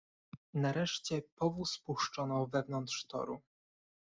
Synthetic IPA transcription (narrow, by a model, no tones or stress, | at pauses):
naɾɛʂt͡ɕɛpɔvuspuʂt͡ʂɔnɔvɛvnɔnt̪ʂt̪ɔ̰ɾṵ